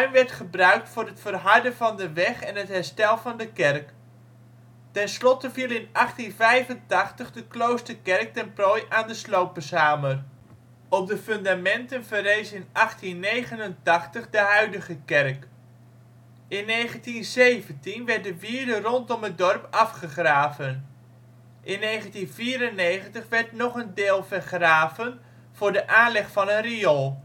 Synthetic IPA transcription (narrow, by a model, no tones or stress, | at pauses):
œɥmʋɛɹtχəbrœɥk̚tfʊːɾɦətfərɦɑɹdənvɑndəʋɛχɛnɦətɦɛɹstɛlˠvɑndəkɛrk | tɛnslɔtəvilˠɪnɑχtinvɛjvəntɑχtəχdəklowstəɹkɛrk̚tɛnprojʔaːndəslowpəsaːmər | ɔp̚dəfɵndamɛntənvərejsɪnʔɑχtinːejχənəntɑχtəχdəɦœɥdəχəkɛrk | ɪnːejχəntinzejvəntinʋɛɹt̚dəʋiːɹdərɔntɔmɦət̚dɔrpɑfχəχraːvən | ʔɪnːejχəntinviːɾənːejχəntəχʋɛɹtnɔχəndeːlˠvəɹχraːvən | v̥ʊːɹdəʔaːnlɛχfɑnənrijɔlˠ